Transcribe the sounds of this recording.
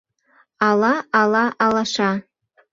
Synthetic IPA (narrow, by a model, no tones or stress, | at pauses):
alaalaʔalaʂa